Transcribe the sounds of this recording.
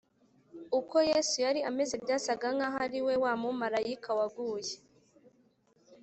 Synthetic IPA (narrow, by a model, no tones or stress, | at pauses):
uko̞jeːsujaɾiame̞zebjaːsaɡaŋaɦaɾiwe̞waːmumaɾajikʰawaɡuːje